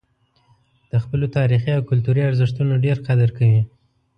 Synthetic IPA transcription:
d̪̥əxpəlot̪ɑɾixiawkʊlt̪uɾiaɾzɪʂt̪unaɖeɾqad̪aɾkawi

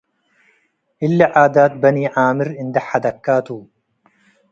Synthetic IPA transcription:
ʔɪlːaʕaːd̪aːt̪̚bɐniːʕaːmɪɾɪnd̪ɐħad̪ɐkːaːt̪uː

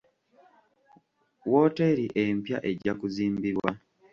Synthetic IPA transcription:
woːteɾiʔempja̰ʔe̞ɟakuziːmbiɾwa

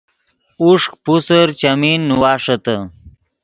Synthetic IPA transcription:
uʂk̚pusəɾt͡ɕɐminːuwaːʂɐt̪ɐ

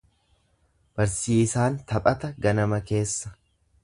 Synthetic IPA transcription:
b̥ɐɾsiːsaːnt̪ɐpʼɐt̪ɐɡɐnɐmɐke̞ːsːɐ̥

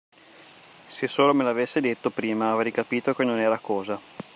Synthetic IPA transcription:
sesːoːlomelavesːed̪et̪ːopɾiːmaːvejkapiːt̪ok̟enonɛːɾakɔːza

